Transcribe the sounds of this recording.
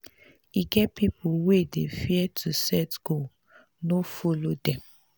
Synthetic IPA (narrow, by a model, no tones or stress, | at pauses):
iɡɛtpipuwedefiɛtʰusɛtɡ̥ol | nofolodɛ̃m